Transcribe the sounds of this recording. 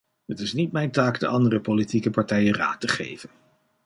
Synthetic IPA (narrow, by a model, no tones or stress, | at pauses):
ɦətɪsnit̚mɛjntaːkdə̰ʔɑndərəpolitikəpɑɹtɛjəra̰ːtəχḛjvən